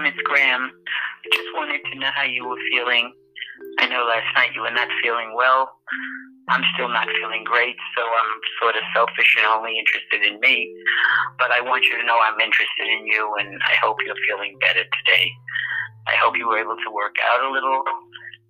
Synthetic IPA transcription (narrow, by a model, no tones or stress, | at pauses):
mɨtsɡ̥ɹæ̃mɪd͡ʒʌst̚wɑ̃ñɨd̚tʰɨnoʊɦaʊjɨwə˞filˠɪ̃ŋ | aɪnoʊlæstnaɪtjɨwə˞nətfilˠɪ̃ŋwɛlˠ | ʔãɪ̃mstɪlˠnətfilˠɪ̃ŋɡɹeɪtsoʊãɪ̃msɔɹɾʌv̥sɛlˠfɨʃɨ̃nõʊ̃nliɪ̃nt͡ʃɹ̥ɨstɨɾɨ̃nmi | b̥ʌɾaɪwɑ̃nt͡ʃɨɾɨnoʊãɪ̃mɪ̃nt͡ʃɹ̥ɨstɨɾɨ̃njʉə̃na̰ɪhoʊpʰjə˞filˠɪ̃ŋbɛɾə˞tʰɨdeɪ | aɪhoʊpʰjɨwə˞eɪbl̩ˠtʰəwɜ˞ka̰ʊɾəlɪɾl̩ˠ